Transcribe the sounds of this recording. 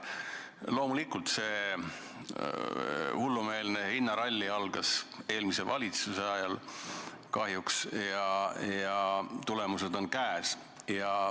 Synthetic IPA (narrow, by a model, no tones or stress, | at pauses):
lo̞ːmulikult̪se̞ | hulːume̞ːlnehinːɑɾɑlʲːiɑlɡ̥ɑse̞ːlmise̞vɑlʲit̪suseɑjɑl | kɑɦjuksjɑjɑt̪ule̞muse̞d̪o̞nkæːs | jɑ